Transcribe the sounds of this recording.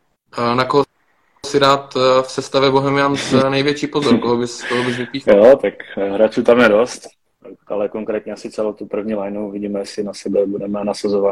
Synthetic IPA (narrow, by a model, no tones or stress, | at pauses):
nakoɦo | sɪdaːt̪fsɛst̪avjɛboɦɛmɪansnɛjvjɛt͡ʃiːpo̞zoɾkoɦobɪskoɦobɪʒvɪp̪iːxjjot̪akɦɾat͡ʃut̪amjɛdost̪ | alɛkoŋkɾɛːt̪ɲɛasɪt͡sɛlowt̪upr̩vɲiːlajnuuvɪɟiːmɛjɛsɪnasɛbɛbudɛmɛnasazovat̪